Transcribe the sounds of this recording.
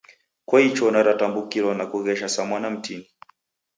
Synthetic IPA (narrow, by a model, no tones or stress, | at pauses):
kwait͡ʃɔnaɾatambukiɾɔnakuɣɛʃasamwanam̩tini